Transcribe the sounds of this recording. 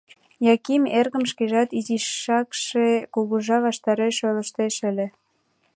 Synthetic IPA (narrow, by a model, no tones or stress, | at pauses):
jɑkimerɣəmʃkeʒɑt̪iziʃːɑkʃekuɣuʒɑβɑʃt̪ɑɾeʃøləʃt̪eʃəlʲĕ